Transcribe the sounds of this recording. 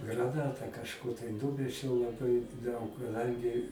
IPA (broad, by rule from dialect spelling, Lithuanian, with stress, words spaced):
ɡrɐˈnɑːtɑː kɐʃˈkʊr tɐɪ ˈnʊmʲɛt͡ʃʲɛʊ lˠɐˈbɐɪ dɐʊk kɐˈdɐŋʲɡʲɪ